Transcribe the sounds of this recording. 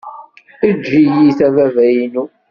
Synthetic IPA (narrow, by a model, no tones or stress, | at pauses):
əd͡ʒijiθævævæjinu